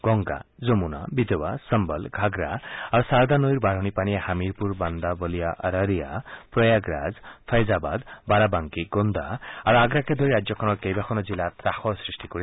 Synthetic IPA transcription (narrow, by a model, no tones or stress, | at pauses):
ɡ̥ɔŋɡa̰d͡zomuna̰bid̪ewa̰səmbəlɡʱaɡɾa̰aɾusaɾd̪anojɾbaɽ̤ɔnipanihamiɾpuɾband̪abɔlijaʔəɾaɾijapɾɔjaɡɾa̰d͡zpʰəjzaba̰d̪baɾabaŋkiɡond̪ʱaaɾuaɡɾaked̪ʱɔɾiɾad͡ʒjɔkʰɔnɔɾkejbakʰɔnɔd͡zilat̪ɾaxɔsɾisʈikɔɾi